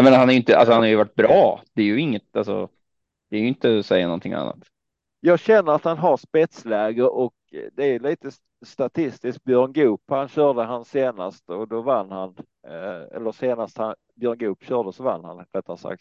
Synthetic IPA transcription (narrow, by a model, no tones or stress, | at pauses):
ameːnahanæɾjʏɪnt̪əa̰lsɔhanhaɾjʉvaʈ̚ːbɾɑːd̪̥ɛæɾjɵɪŋːət̪alsɔ̰ | d̪̥ɛːɾjɵɪnt̪əsɛjːanɔnt̪ʰɪŋa̰nːa̰t̪ | jɑːɡɕɛnːəɾat̪hanɦaɾspɛt̪slɛːɡəɾʔɔk | d̪ɛæɾjɵliːt̪ə | st̪at̪ʰɪst̪ɪsk̪̚bjœɾɳɡʉːphanɕœːd̪əɦanseːna̰st̪ɔd̪ɔvanːhan | ɛ̰lːəseːnast̪han | bjœːɳɡʉːpɕœːd̪əsɔva̰nːha̰nɾɛt̪ʰːansa̰k̚t̪